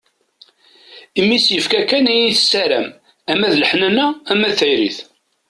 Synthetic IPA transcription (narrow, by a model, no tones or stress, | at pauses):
imːisjəfkækːænæjiθsːæɾæ̰m | æmæðləħnænææmæθæjɾḭθ